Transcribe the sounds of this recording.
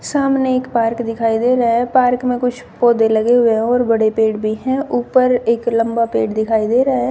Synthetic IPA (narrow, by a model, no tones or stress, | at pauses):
saːmneeːkpaːɾkd̪ɪkʰaːid̪eːɾɐɦɛpaːɾkmẽkʊt͡ʃʰpɔːd̪elɐɡeɦʊeɦɛɔːɾbɐɽepeːʈbʱiɦɛ̃ʔuːpəɾeːklɐ̃mbapeːʈd̪ɪkʰaːid̪eːɾɐɦe